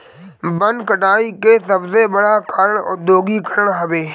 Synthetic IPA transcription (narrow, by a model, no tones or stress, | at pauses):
bɐ̃nd̪kɐʈaːikesɐbzebɐɽakʰəɾəɽ̃ɔ̰ːd̪oːɡikʰəɾəɽ̃ɦɐʋeː